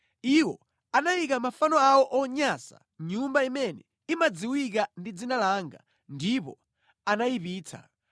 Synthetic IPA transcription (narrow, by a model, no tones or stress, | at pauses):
iwɔ̰ | anajikamafanɔawɔʔɔɲasa̰ | ɲumbaimɛnɛ | imad͡ziwikandid͡zinalaːŋɡa̰ | ndipɔ̰ | anaipiːt͡sʰa̰